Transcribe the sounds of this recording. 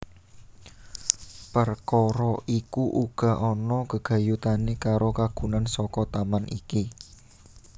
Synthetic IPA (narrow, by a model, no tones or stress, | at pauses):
pərkɔɾɔʔikuʔuɡ̥a̤ʔɔnɔkəɡ̥a̤jut̪anekaɾokaɡ̥unansɔkɔt̪amanʔḭki